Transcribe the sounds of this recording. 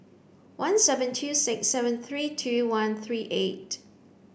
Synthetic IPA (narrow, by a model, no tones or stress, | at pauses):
wãnsɛvə̃ntʰusɪksɛvə̃nθɹiːtʰuwãnθɹiːʔet̚